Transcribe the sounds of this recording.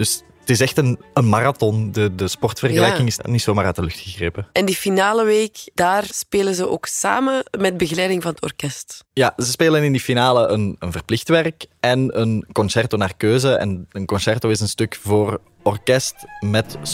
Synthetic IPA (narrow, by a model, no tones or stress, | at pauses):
d̥ɵs | tɪsɛxtənənmaratɔndədəspɔrtfərɣəlɛjkɪŋɪsnitsoːmaːrœːtdəlɵxtxəɣreːpəʔɛndifinaːləʋeːkd̥aːrspeːləzəʔo̰ːksa̰ːməmɛd̚bəɣəlɛjdɪŋvɑnətɔ̰rkɛstjazəspeːlənɪndifinaːləʔənənvərplɪxtʋɛrkɛnənkɔnsɛrtonaːrkøːzəʔɛ̰nənkɔnsɛrtoːɪsənstʏkvoːr | ɔrkɛstmɛt